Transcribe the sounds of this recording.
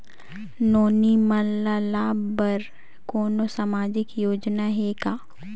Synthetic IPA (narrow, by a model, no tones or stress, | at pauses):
noːnimɐlːalabəɾ | koːnosamaːd͡ʒɪkjoːd͡ʒnaɦekaː